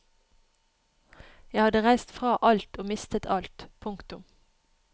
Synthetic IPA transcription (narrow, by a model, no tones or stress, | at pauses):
jæɪhɑd̪əʁæɪst̪fʁɑːʔɑlt̪oːmɪst̪ət̪ʰɑlt̪pʰʊŋkt̪ʊm